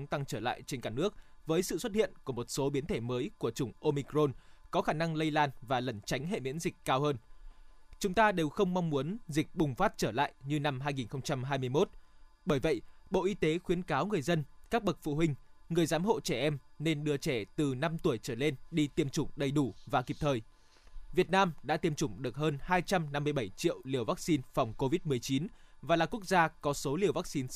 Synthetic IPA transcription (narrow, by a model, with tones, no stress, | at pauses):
ŋ͡mt̪a˧ŋt͡ɕəː˧˩la̰ː˧˨jt͡ɕe˧nkaː˧˩nɨ˦˥ək̚vəː˨˦jsɨ̰˧˨swə˦˥t̚hḭ˧˨ənku˧˩əmo˨˩t̚so˨˦ɓi˨˦ənt̪ʰe˧˩məː˨˦jku˧˩ət͡ɕʊ˧˩ŋ͡mʔo˧mi˧kzo˧nkɔ˨˦xaː˧˩na˧ŋlə˧jlaː˧nvaː˨˩lə˨˧˩nt͡ɕa˨˦jŋ̟ɦḛ˧˨mḭ˧˥ənzï˨˩k̟̚kaː˧whəː˧n | t͡ɕʊ˨˦ŋ͡mt̪aː˧ɗe˨˩wxə˧wŋ͡mma˧wŋ͡mmːu˨˦ənzi˨˩k̟̚ɓʊ˨˩ŋ͡mfaː˦˥t̚t͡ɕəː˧˩la̰ː˧˨jɲɨ˧na˧mɦaː˧jŋi˨˩nxə˧wŋ͡mt͡ɕa˧mɦaː˧jmɨ˧əjmo˦˥t̚ | ɓəː˧˩jvə̰˧˨jʔɓo̰˧˨ʔi˧t̪e˨˦xwi˨˦ənkaː˨˦wŋɨ˨˩əjzə˧nkaː˦˥k̚ɓə˨˩k̚fṵ˧˨ɦï˧ŋ̟ŋɨ˨˩əjzaː˨˦mɦo̰˧˨t͡ɕɛ˧˩ʔɛ˧mne˧nɗɨ˧ət͡ɕɛ˧˩t̪ɨ˨˩na˧mt̪u˧˩əjt͡ɕəː˧˩le˧nɗi˧t̪i˧əmt͡ɕʊ˧˩ŋ͡mɗə˨˩jɗu˧˩vaː˨˩ki˨˩p̚t̪ʰəː˨˩j | vi˨˩ət̚naː˧mɗa̰ː˧˥t̪i˧əmt͡ɕʊ˧˩ŋ͡mɗɨ˨˩ək̚həː˧nhaː˧jt͡ɕa˧mna˧mːɨ˧əjɓə˧˩jt͡ɕḭ˧˨əwli˧˩əwvaː˦˥k̚si˧nfa˨˩wŋ͡mko˧vi˦˥t̚mɨ˨˩əjt͡ɕi˨˦nvaː˨˩laː˨˩ku˦˥ək̚zaː˧kɔ˨˦so˨˦li˧˩əwvaː˦˥k̚si˧n